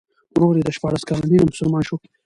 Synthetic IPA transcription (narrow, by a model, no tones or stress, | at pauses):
wɾoːɾed̪əʃpɑɽaskɑlaninamʊsəlmɑːnʃoki̥